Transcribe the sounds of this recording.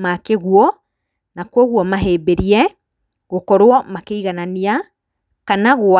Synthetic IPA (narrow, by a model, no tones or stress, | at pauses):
makeɣwɔ | nakwɔɣwɔmaɦeːbeɾiɛ | ɣokɔɾwɔmakeiɣanania | kanaɣo